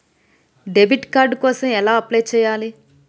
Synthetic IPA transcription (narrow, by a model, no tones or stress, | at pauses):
ɖebʱiʈkaːɾɖkɔːsɐmɛlaːɐplejt͡ʃɛːjaːli